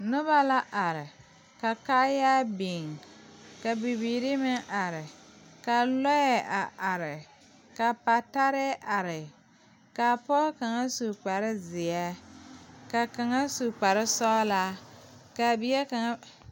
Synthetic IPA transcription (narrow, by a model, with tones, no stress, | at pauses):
nʊ˦βa˦la˦ʔa˨ɾɪ˨ | ka˨kaː˦ja˦bi˨ŋ | ka˨bi˨biː˨ɾɪ˦mɪ˦ʔa˨ɾɪ˨ka˨lɔ˦jɛ˦ʔa˨ʔa˨ɾɪ˨ | ka˨pa˨ta˦ɾɛ˦ʔa˨ɾɪ˨ | ka˨pɔ˦ka˨ŋa˦su˨k͡pa˨ɾɪ˦zɪ˨a˦ | ka˨ka˨ŋa˦su˨k͡pa˨ɾɪ˦sɔ˦la˦ka˨bi˨˦ɛ˦ka˨ŋa˦